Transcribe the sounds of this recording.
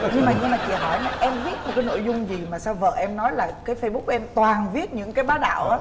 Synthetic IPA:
ɲɨ˧ŋmaː˨˩ɲɨ˧ŋmaː˨˩t͡ɕḭ˧˨əɦɔ˧˩jnɔ˨˩ʔɛ˧mvi˦˥ət̚mo˨˩kaː˨˦no̰˧˥˨jzʊ˧ŋ͡mzi˨˩maː˨˩saː˧wvə̰ː˧˨ʔɛ˧mnɔ˨˦jlaː˨˩kaː˨˦jfə˧jɓk͡p̚ɛ˧mt̪waː˨˩nvi˦˥ət̚ɲɨ̰˧˥ŋkaː˨˦jɓaː˨˦ɗa̰ː˧˨wʔaː˨˦

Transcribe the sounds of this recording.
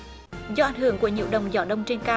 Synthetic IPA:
zɔ˧ʔa˨˩jŋ̟hɨ˧˩əŋku˧˩əɲḭ˧˥əwɗə˨˩wŋ͡mzɔː˨˩˦ɗə˧wŋ͡mt͡ɕe˧nkaː˧

